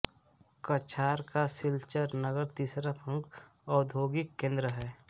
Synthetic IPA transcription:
kət͡ʃʰaːɾkasɪlt͡ʃəɾnəɡəɾt̪iːsɾapʰə̃ŋkɔːd̪ʱoːɡɪkːẽːnd̪ɾəɦɛː

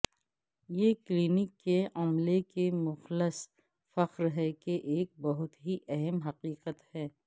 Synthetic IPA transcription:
jeːkliːnɪkːeɐmlekemʊxlɪs | fɐqɾɦɛkeʔeːk̚bɐɦʊt̪ɦiʔɛɦɛmɦɐqiːqət̪hɛː

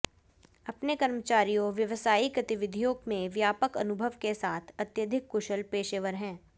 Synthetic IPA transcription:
ɐpnekɐɾmət͡ʃaːɾijõʋjɐʋsaːiɡɐt̪ɪʋɪd̪ʱijoːɡmẽʋjaːpəkɐ̰nʊbʱəʋkesaːt̪ʰɐt̪jəd̪ʱɪkːʊʃəlpeːʃeːʋəɾɦɛ̃ː

